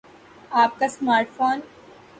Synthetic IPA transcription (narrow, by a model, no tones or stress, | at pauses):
aːp̚kasmaːɾʈfoːn